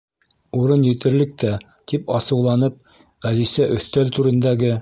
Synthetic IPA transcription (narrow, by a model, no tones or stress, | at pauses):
uɾɤnjɘ̆t̪ɘ̆ɾlɘk̚t̪æ | t̪ipɑsɤ̆wlˠɑnɤp̚ | ælisæʔɵ̆θt̪ælt̪uɾɘ̆nd̪æɡɘ